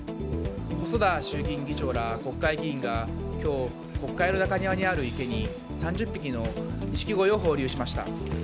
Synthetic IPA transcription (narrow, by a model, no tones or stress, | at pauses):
ho̞so̞d̪aɕɨːk̬ʲĩŋɡʲit͡ɕo̞ːɾako̞kːaiɡʲiĩŋɡakʲo̞ː | ko̞kːaino̞nakaɲ̟iβaɲ̟iaɾɯ̟ike̞ɲ̟i | sãɲd͡ʑɨpʲːikʲino̞ɲiɕi̥kʲiɡo̞io̞ɦo̞ːɾʲɨːɕimaɕi̥t̪a̰